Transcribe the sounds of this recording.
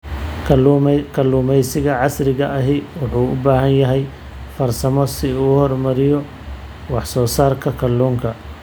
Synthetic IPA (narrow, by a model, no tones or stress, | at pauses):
kʰɐlːuːmɛjsɪɣɐʕɑsrɪɣɐʔɐɦɪwʊħuːʊbaːɦɐnjɐɦɛj | fɐrsɐmɔsɪuːhɔrmɐɾɪjɔ | wɑħsɔːsaːrkʰɐkʰɐlːuːŋkʰɐ